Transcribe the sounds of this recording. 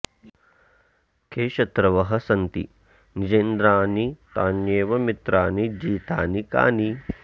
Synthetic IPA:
kʰeːʃɐt̪ɾɐʋɐɦɐsɐnt̪ḭ | nid͡ʒeːnd̪ɾaːnit̪aːnjeːʋɐmit̪ɾaːnid͡ʒiːt̪aːnika̰ːni

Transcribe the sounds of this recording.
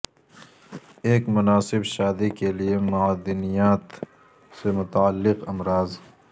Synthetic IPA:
eːkmʊnaːsɪbʃaːd̪ikeliemʊaːd̪ɪnijaːt̪ | semʊt̪aalːɪqɐmɾaːz

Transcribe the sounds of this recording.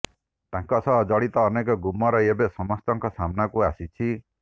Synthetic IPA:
t̪ãŋkɔsɔɦd͡ʒɔɭit̪ɔːnek̬ɔɡumɔɾɔebesɔmɔst̪ɔŋkɔsamnakuasit͡ʃʰi

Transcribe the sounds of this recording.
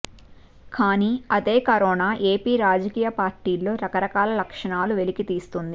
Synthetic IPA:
kaːniːɐd̪e̞ːkɐɾɔːnaːʔe̞ːpiːɾaːd͡ʒɐkiːjɐpaːɾʈiːlːo̞ːɾɐkɐɾɐkaːlɐlɐkʂɐɳaːluʋe̞likit̪iːst̪und̪i

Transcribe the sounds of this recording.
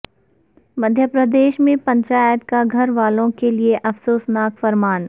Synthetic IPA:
mɐd̪ʱjəpɾəd̪eːʃmẽpɐ̃ɲt͡ʃaːjət̪kaɡʱɐɾʋaːlõkelieʔɐfsoːsnaːkfɐɾmaːn

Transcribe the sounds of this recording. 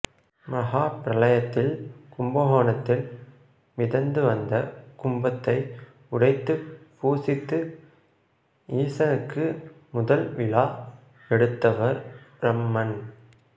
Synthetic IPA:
mɐɣaːpɪɾɐlɐjɐt̪ːɪlkʊmbɐɦoːnɐt̪ːɪl | ʋɪðɐnd̪ɯʋɐnd̪ɐkʊmbɐt̪ːɐɪ | ʊɽɐɪt̪ːɯpuːsɪt̪ːɯ | iːsɐnɯkːɯ | mʊðɐlʋɪlaː | ɛɽɯt̪ːɐʋɐɾbɾɐmːɐn

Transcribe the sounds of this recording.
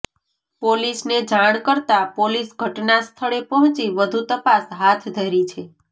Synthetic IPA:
polisned͡ʒaɽ̃kəɾt̪apolisɡʱəʈnast̪ʰəɭepɔɦɔ̃t͡ʃiʋəd̪ʱut̪əpasɦat̪ʰd̪ʱəɾit͡ʃʰe

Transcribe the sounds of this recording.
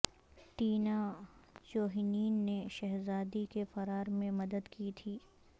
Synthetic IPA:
ʈiːnat͡ʃoːɦiniːnːeʃɛɦzaːd̪ikefɐɾaːɾmẽmɐd̪əd̪kit̪ʰiː

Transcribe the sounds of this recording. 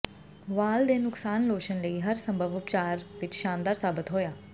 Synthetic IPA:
ʋaːld̪eːnʊksaːnloːʃənləiːɦəɾsəmbʱəʋʊpt͡ʃaːɾʋɪt͡ʃʃãːnd̪aːɾsaːbɪt̪ɦoːjaː

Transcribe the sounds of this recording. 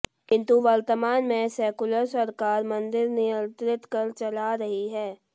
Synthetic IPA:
kɪ̃nt̪uʋɐɾt̪əmaːnmẽsɛːkʊləɾsɐɾkaːɾmɐ̃nd̪ɪɾnɪjə̃nt̪ɾɪt̪kɐɾt͡ʃɐlaɾɐɦiɦɛː

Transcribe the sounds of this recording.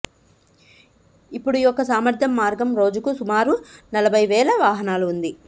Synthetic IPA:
ipːuɽujɔkːɐsaːmɐɾd̪ʱjɐmːaːɾɡɐmɾo̞ːd͡ʒukusumaːɾunɐlɐbʱɐjʋɛːlɐʋaːɦɐnaːluund̪i

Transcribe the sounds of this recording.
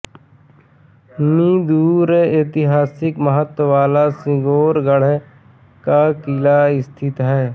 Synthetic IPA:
mĩːd̪uːɾeeːt̪ɪɦaːsɪkməɦət̪wʋaːlasɪ̃ɡoːɾɡəɽ̤ɛ | kakɪlaɪst̪ʰɪt̪ɦɛː

